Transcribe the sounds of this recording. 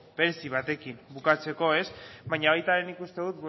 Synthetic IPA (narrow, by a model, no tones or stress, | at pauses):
beɾesiβ̞at̪e̞kimbukat͡se̞ko̞e̞sβaɲaβajt̪aɾe̞nikust̪e̞ðut̪̚b